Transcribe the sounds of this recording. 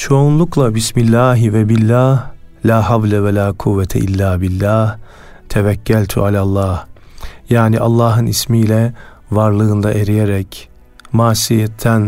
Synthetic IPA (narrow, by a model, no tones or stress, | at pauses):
t͡ʃʰo̞unlˠuklˠabismilʲːaːɦivɛbilʲːaːhlʲaːɦavlʲɛvɛlʲaːkʰuvːɛt̪ʰɛ̰ʔilʲːaːbilʲːaːh | t̪ʰɛvæcʰːælʲt̪ʰyalʲalˠːɑːhjaːniʔalˠːaːɦɯnismilʲɛ | vaɾlˠɯːnd̪aʔe̞ɾijeɾɛc | maːsijɛt̪ʰːæn